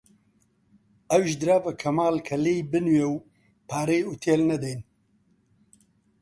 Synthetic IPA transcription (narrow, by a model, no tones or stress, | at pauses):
ɐwʒd̪ɨɾaːvɐkʰɐmaːlkʰɐlejbɨnwjew | pʰaːɾejut̪ʰelnɐd̪ejn